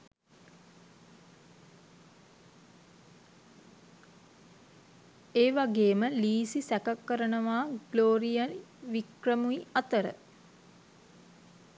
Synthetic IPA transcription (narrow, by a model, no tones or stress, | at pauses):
eːʋaɡeːməliːsisækakːəɾənəʋaːɡ̥loːɾijanʋikrəmuiat̪əɾə̰